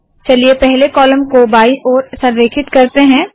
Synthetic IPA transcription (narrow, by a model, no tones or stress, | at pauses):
t͡ʃɐliepɛɦlekɔːləmkobaːiʔɔːɾsɐɾʋeːkʰɪt̪kɐɾt̪eɦɛ̃ː